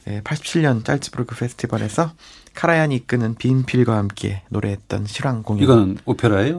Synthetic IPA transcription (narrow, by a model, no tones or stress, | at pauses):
epʰaɭɕ͈ʰi̥p̚t͡ɕʰiɭɲʌnt͡ɕ͈a̰ɭtʰɯbʰɯɾɯɡʰɯpʰe̞sʰɯ̥tʰibaɾe̞sʰʌkʰaɾajaɲik͈ɯnɯnpimpʰiɭɡwahamk͈e̞̰noɾe̞ɦet̚t͈ʌ̰nɕʰiɾaŋɡoŋiiɡʌnɯnopʰeɾaejo